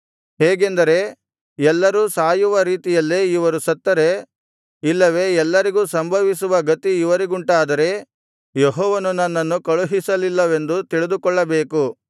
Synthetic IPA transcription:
heːɡe̞nd̪ɐɾe̞ | ɛlːɐɾuːsaːjuʋɐɾiːt̪ijɐlːeːiʋɐɾusɐt̪ːɐɾe | ilːɐʋe̞ɛlːɐɾiɡuːsɐmbʱɐʋisuʋɐɡɐt̪iːʋɐɾiɡuɳʈaːd̪ɐɾe̞ | jeɦɔːʋɐnunɐnːɐnːukɐɭuɦisɐlilːɐʋe̞nd̪ut̪iɭid̪ukɔɭːɐbe̞ːku

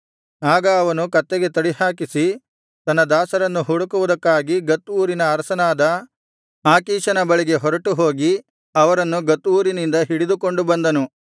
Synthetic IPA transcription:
aːɡɐːʋɐnukɐt̪ːeɡe̞t̪ɐɽihaːkisi | t̪ɐnːɐd̪aːsɐɾɐnːuɦuɽukuʋud̪ɐkːaːɡiɡɐt̪ːuːɾinɐːɾɐsɐnaːd̪ɐ | aːkiːʃɐnɐbɐɭiɡe̞ɦɔɾɐʈuɦo̞ːɡi | ɐʋɐɾɐnːuɡɐt̪ːuːɾinind̪ɐɦiɽid̪uko̞ɳɖubɐnd̪ɐnu

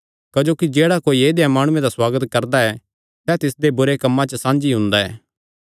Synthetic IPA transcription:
kɐd͡ʒoːkid͡ʒeːɽakoːieːd̪ejamaːɽ̃ʊ̃ẽd̪aswaːɡət̪kɐɾd̪aɛ | sɛːt̪ɪsd̪ebʊɾekɐmːãt͡ʃəsãːnd͡ʒiɦʊ̃nd̪aɛː

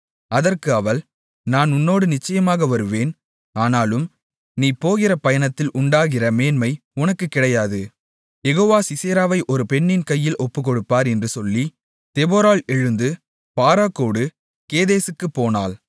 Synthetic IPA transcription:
ɐðɐrkɯɐʋɐl | naːnʊnːoːɽɯnɪt͡ʃːɐjɐmaːɣɐʋɐɾɯʋeːn | aːnaːlɯm | niːpoːɣɪrɐpɐjɐɳɐt̪ːɪlʔʊɳɖaːɣɪrɐmeːnmɐɪʊnɐkːɯkːɪɽɐjaːðɯ | jɛɣoːʋaːsɪseːɾaːʋɐɪʔɔɾɯpɛɳːɪnkɐjːɪlʔɔpːɯkɔɽɯpːaːɾɛndrɯsɔlːi | t̪ɛboːɾaːlɛɻɯnd̪ɯ | paːɾaːkoːɽɯ | keːðeːsɯkːɯpːoːna̰ːl

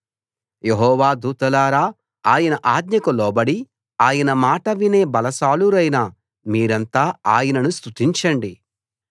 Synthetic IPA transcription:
jeɦɔːʋaːd̪uːt̪ɐlaːɾaː | aːjɐnɐʔaːd̪ɲɐkɐlɔːbɐɽi | aːjɐnɐmaːʈɐʋine̞ːbɐlɐsaːluɾɐjnɐ | miːɾɐnt̪aːaːjɐnɐnust̪ut̪iɲt͡ʃɐɳɖi

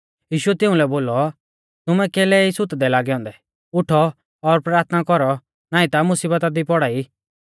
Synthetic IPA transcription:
jiːʃʊɛt̪ɪũlɛboːlɔ | t̪ʊmɛkɛːlɛisʊt̪d̪ɛlaːɡɛɔ̃ːnd̪ɛ | ʊʈʰɔ | ɔɾpɾaːɾt̪ʰnakɔɾɔ | naːĩt̪amʊsiːbət̪ad̪ipɔɽaːi

